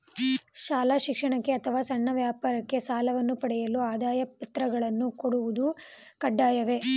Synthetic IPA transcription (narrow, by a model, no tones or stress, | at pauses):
ʃaːlaʃikʂɐɳɐkːeɐt̪ʰɐʋaːsɐɳːɐʋjaːpaːɾɐkːe̞saːlɐʋɐnːupɐɽɛjɐluaːd̪aːjɐpɐt̪ɾɐɡɐɭɐnːukoɽuʋud̪u | kɐɖːaːjɐʋe̞